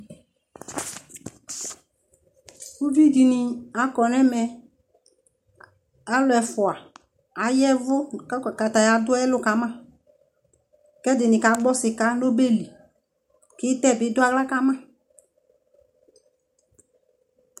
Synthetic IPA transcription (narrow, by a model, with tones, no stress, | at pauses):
u˦vi˦di˨nɪ˨a˨kɔ˨nɛ˦mɛ˧ | a˨˦lʊ˨ɛ˨fʊ˨a˨ | a˨˦jɛ˦vʊ˦˨ka˨ta˨ja˨dʊ˦ɛ˦lʊ˦ka˨˦mã˦ | kɛ˦dɪ˨nɪ˨ka˨˦ɡ͡bɔ˦sɪ˨ka˦lo˦be˦li˨ | kɪ˦tɛ˦˨bɪ˨˦dʊ˦a˦ɡla˦ka˦mã˦˨